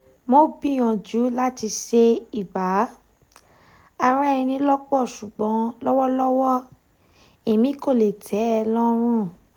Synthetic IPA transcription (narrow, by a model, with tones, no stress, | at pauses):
mo˦bi˦˨j̃ɔ̃˨d͡ʒu˨˦la˦ti˧ʃe˦i˦˨ba˨˦ | a˧ɾa˦ĩ˧nĩ˧˦lɔ˦k͡pɔ˦˨ʃu˨ɡ͡bɔ̃˨˦lɔ˦wɔ˦lɔ˦wɔ˦ | e˨mĩ˦ko˦˨le˨tʰɛ˨˦ɛ˧lɔ˦ɾ̃ũ˦˨